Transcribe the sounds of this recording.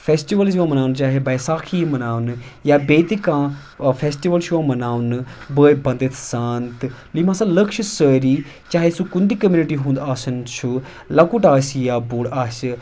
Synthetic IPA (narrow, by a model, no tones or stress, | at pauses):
pʰeːsʈiʋəlsʋãːmənaːnt͡ʃaːɦeːbɐːjsaːkʰiːmɐnaːʋnjaːbeːt̪ikãː | pʰeːsʈiʋəlʃuʋãːmɐnaːʋnbəːebɐ̃nd̪ət̪saːnt̪limãːsãləkʃsəːɾiː | t͡ʃaːɦesũkund̪iːkəmjuːniʈiːɦũːnd̪aːsənt͡ʃʰu | lakuʈaːsijaːbuːɽas